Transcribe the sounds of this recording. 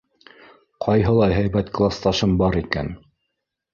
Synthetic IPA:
qʰɑjɦɤ̆lˠɑjɦæjbæt̪klˠast̪ɑʃɤmbɑɾikæ̰n

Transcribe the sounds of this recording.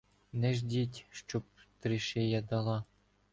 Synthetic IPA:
nɛʒd̪ʲitʲʃt͡ʃop̚t̪ɾɘʃejɑd̪ɑlˠɑ

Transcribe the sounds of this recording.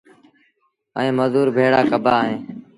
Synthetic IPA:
ə̰ĩːməzuːɾbʱeːɽaːkəbʱaːɦẽː

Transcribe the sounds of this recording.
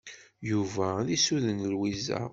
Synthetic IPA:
juvæðisuðənlwizæ̰

